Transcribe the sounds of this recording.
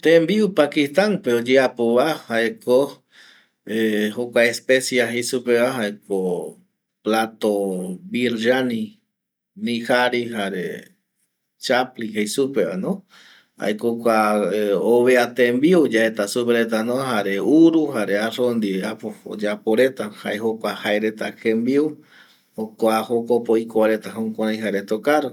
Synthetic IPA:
t̪embiupakist̪anpeod͡ʒeapoβahaeko | ehokʷaespesjaɦejsupeβaɦaeko | plat̪obiɾʒanĩ | nĩhaɾiɦaɾḛ | t͡ʃaplihejsupeβa̰nõ | a̰jkokʷa | oβeat̪embiud͡ʒaet̪asupeɾet̪̬anõɦaɾe̞uɾuhaɾearond̪ieapo̰d͡ʒapoɾet̪ahaeɦokʷahaeɾe̞t̪akẽmbiu | okoahokopoikoaɾe̞t̪aɦõkʷaj̃ɦaɾet̪okaɾo

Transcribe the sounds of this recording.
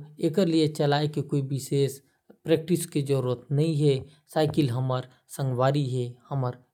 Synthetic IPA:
eːkəɾlijet͡ʃəlaːekekoːibɪseːs | pɾeːk̚ʈɪsked͡ʒəɾuət̪nɐɦĩɦɛ | saːɪkɪlɦəməɾ | sə̃ŋɡʋaːɾiɦɛhəməɾ

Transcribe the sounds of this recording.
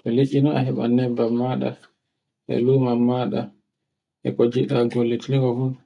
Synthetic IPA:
tɔleʔinɔahɛɓa̰nɛbːamːaɗa̰ | ʔɛ̰luːmamːaɗa̰ | ʔɛ̰kɔd͡ʒiɗaɡolːitiliŋɡɔfu

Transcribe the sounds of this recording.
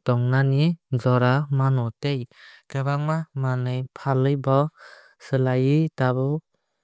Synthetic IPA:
tɔŋnanizɔɾamanɔtejɡabaŋmamanɯjpʰalɯjbɔ | sɯlajɯdabɯ

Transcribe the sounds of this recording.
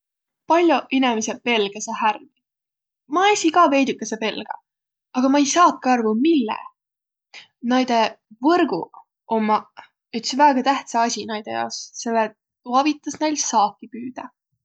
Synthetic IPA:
pɑlʲjoʔinemisepe̞lɡ̥ɑsɑhærɡi | mɑesʲikɑːve̞jd̪ukːˑesepe̞lɡ̥ɑ̰ | ɑɡ̥ɑmɑejsɑːt̪̚kɑɑrvumilːḛ | nɑjd̪̥e̞vɤrɡ̥u | omːɑ | yt̪svæːɡ̥ɑt̪æht̪sɑɑsʲinɑjd̪̥e̞̰jɑ̰osse̞lːet | t̪uɑvit̪ːˑɑsne̞jlsɑːkːipyːd̪̥ɑ

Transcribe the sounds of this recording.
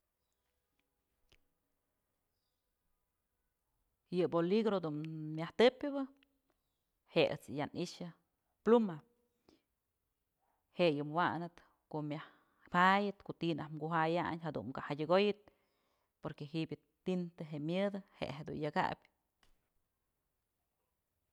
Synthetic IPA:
jɨboliɡɾod̪unmʲjaht̪ɨpʲɨbɨ | heḛt͡sjanʔiʃɨ | pluma | hejɨmwanɨt̪ | koʔmjah | pajɨt̪koʔt̪inahmɡuɦajaɲɦad̪ṵmkahadʲɨɡojɨt̪̚ | poɾkeɦibʲɨ | t̪int̪ɨɦeʔmjɨd̪ɨhḛʔɦed̪ṵnjaɡa̰bʲ

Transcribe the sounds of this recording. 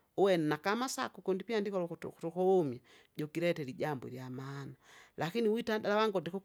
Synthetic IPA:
ɔwɛnɛnakamasakukɔndipiandikɔlɔktukɔmja | ɟɔkiɾɛtɛliɟambɔ̰ɾjamaːnalakiniwitadalawaŋɡɔdɛku

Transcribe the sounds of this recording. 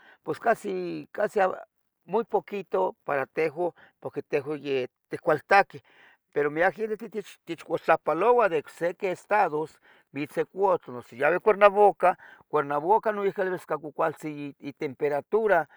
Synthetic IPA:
pweskasikasia | mujpokit̪opaɾat̪eɦo | poɾket̪eɦojet̪ekʷalt̪ake | peɾomiakend̪et̪it͡ʃt̪et͡ʃkʷat͡ɬapalowad̪eksekeest̪aðos | bisekʷot͡ɬonosejaβekʷeɾnaβokakʷeɾnaβokanoikelβeskakukʷalt͡siːt̪empeɾat̪uɾa

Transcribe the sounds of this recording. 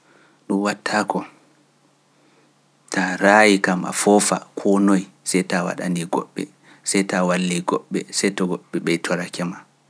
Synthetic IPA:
ɗunwatʰːaːkɔ | tʰaɾaːjikama̰fɔfa̰kʰɔnɔj | sɛjtawa̰ɗaniɡɔ̰ɓːɛ̰ | sɛjtawalːiɡɔɓːɛsɛjtɔɡɔɓːɛɓɛjtʰɔɾakɛma

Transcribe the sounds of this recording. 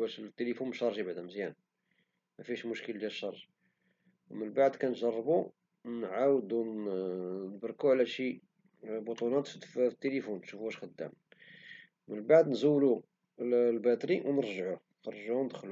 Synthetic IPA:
wæʃlt̪ːelifunmʃɑɾˤʒibaʕd̪æməzjæn | mæfiʃmʊʃkəld̪jælʃːɑɾˤʒ | wmənbaʕd̪kænʒɑrˤːbu | nʕawəd̪u | nəbɾˤkuʕlæʃi | but̪ˤunɑt̪ːət̪ːelifuntʃufuæʃxəd̪ːæ̰m | mənbaʕd̪nzuːlu | lbæt̪ɾiwnəɾˤʒəʕu | xɑrˤːʒuhund̪əxlu

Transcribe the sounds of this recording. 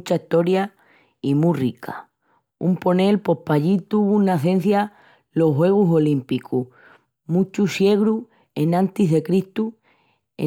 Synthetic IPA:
t͡ʃaiht̪o̞ɾja | imurikʰa̰ | ṵmpo̞ne̞lpo̞hpaʎit̪uβunaθẽ̞n̟θja | lo̞hɦwe̞ɣ̞uso̞limpiku | mũt͡ʃusje̞ɣɾu | e̞nãnt̪iɦðe̞kɾiht̪u | ḛ

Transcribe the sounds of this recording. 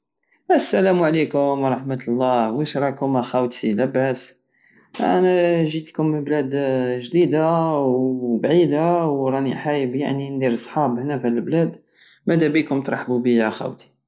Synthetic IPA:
ʔæsːælæmuʕlikʊmwɾˤɑħmət̪lˤːɑwiʃɾˤɑkʊmæxæwt̪ilæbæs | æ̰næʒit̪kʊnməblæd̪ʒd̪id̪awbʕid̪awɾˤɑniħajəbja̰ʕnind̪iɾsˤħɑbhnæfæləlblæd̪ | mæd̪æbikʊmt̪ɾˤɑħbubijæxæ̰wt̪i̥

